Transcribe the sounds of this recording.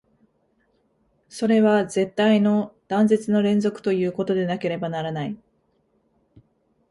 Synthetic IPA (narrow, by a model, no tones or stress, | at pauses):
so̞ɾe̞βaze̞t̪ːaino̞d̪̥ãnze̞t͡sɨno̞ɾẽ̞nzo̞kɯ̟̥t̪o̞jɯ̟ːko̞t̪o̞d̪e̞nake̞ɾe̞banaɾanai